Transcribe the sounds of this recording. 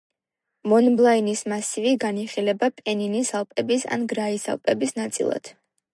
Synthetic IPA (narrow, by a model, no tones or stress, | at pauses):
mɔnblˠainismasiviɡaniχilɛbapʼɛninisalˠpʼɛbisa̰nɡɾaisa̰lˠpʼɛbisnat̪sʼḭlˠa̰d̪̥